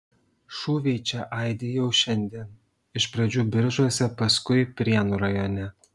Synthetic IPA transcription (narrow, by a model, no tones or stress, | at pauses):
ʃuːʋʲiɪt͡ʃʲɛʔɐˑɪd̪ʲeːjɛʊʃʲɛnʲd̪ʲiɛn | ɪʃpɾɐd͡ʒʲuːbʲɪɾʒuɔsʲɛpɐskʊɪpʲɾʲiɛnuɾɐjoːnʲɛ